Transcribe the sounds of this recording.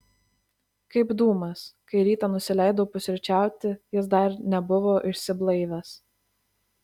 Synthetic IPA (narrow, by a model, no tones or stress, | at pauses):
kɐɪbd̪uːmɐskɐɪɾʲiːt̪ɑnʊsʲɪlʲɛˑɪd̪oːpʊsʲɪɾʲt͡ʃʲæˑʊt̪ʲɪjɪs̬d̪ɐɾnʲɛbʊʋoːʔɪʃʲsʲɪblˠɐɪʋʲɛs